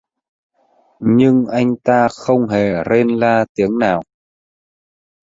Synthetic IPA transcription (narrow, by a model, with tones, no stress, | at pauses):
ɲɨ˧ŋʔa˧jŋ̟t̪aː˧xə˧wŋ͡mɦe˨˩ɾe˧nlaː˧t̪i˨˦əŋnaː˨˩w